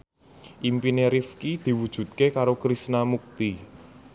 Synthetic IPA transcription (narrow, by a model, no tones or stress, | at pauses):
ʔimpineɾifkid̪̥i̤wud̥ʒ̥ṳt̪̚kekaɾokɾisnamuk̚t̪i